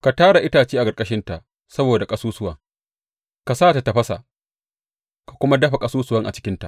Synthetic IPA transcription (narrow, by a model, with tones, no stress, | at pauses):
ka˨taː˦ɽa˨ʔɪ˦taː˨t͡ʃiː˦ʔa˨kʼɐ˨rkʼɐ˦ʃɪ˦nta˨ʔ | sɐ˦boː˨da˨kʼɐ˦suː˦sʊ˦wɐ˨ŋ | ka˨saː˦˨ta˨ta˨ɸɐ˦sa̰˨ʔ | kḁ˨kʷʊ˦ma˦dɐ˦ɸa˨kʼɐ˦suː˦sʊ˨˦wɐ˦ŋʔa̰˨t͡ʃɪ̥˦kʲɪ˦nta˨